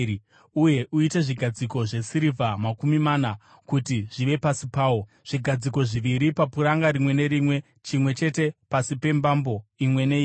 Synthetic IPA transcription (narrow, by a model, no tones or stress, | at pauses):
uje̞ʔuite̞ʐiɡʱad͡ziko̞ʐe̞siɾivʱamakumimaːna | kutiʐiʋe̞pasipaːwo̞ | ʐ̥iɡʱad͡ziko̞ʐiʋiɾipapuɾaŋɡaɾimwe̞ne̞ɾimwe̞ | t͡ʃimwe̞t͡ʃe̞te̞pasipe̞mbambo̞imwe̞nei